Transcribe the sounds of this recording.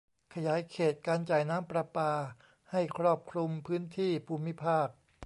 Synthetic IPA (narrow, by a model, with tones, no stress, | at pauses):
kʰa˧jaː˩˦jkʰeː˨˩t̪̚kaː˧nt͡ɕaː˨˩jnaː˦˥mpɾa˧paː˧ | ha˥˩jkʰɾɔː˥˩p̚kʰɾu˧mpʰɯː˦˥nt̪ʰiː˥˩pʰuː˧mi˦˥pʰaː˥˩k̚